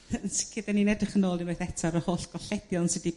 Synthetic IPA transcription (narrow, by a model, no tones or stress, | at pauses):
ənsɪ̥kʰɪdaninɛdəχənoːlˠdəneθɛtʰaɾəhoːɬɡ̥ɔɬɛdjɔnsɪdi